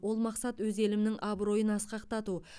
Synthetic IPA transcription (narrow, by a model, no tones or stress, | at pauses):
wo̞lˠmɑqsɑt̪wɵze̞lɪmnɪŋʔɑbɾo̞jənɑsqɑqt̪ɑt̪u